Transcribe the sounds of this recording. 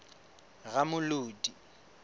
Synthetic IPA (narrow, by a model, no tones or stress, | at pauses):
ɣamʊloːdi